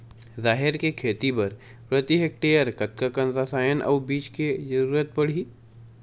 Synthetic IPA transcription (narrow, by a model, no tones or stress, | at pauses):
zaːɦɪɾkekʰeːt̪ipɐɾ | pɾət̪iɦek̚ʈeːjəɾkɐt̪̚kakə̃nɾasaːjənʔɐ̰ːbiːt͡ʃked͡ʒɐɾuːɾət̪̚pɐɽ̤i